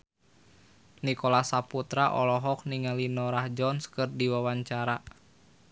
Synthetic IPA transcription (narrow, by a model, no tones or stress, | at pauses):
nikɔlasaput̪ɾaʔɔ̰lɔɦɔk̚niŋalinɔɾahd͡ʒɔnskɨrdiwawaɲt͡ʃaɾa